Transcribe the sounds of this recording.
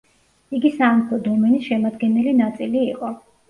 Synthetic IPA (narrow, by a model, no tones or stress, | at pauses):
iɡisamkʰlˠɔd̪ɔmɛnisʃɛmad̪ɡɛnɛlinat̪sʼiliːqʼɔ